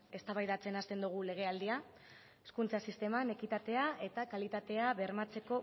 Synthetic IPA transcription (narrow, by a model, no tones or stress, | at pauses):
e̞st̪aβajðat͡se̞nast̪e̞nd̪uɣ̞ule̞ɣ̞e̞ald̪ia | eskunt͡sasist̪e̞mane̞kit̪at̪e̞aʔe̞t̪akalit̪at̪e̞aβe̞ɾmat͡se̞ko̞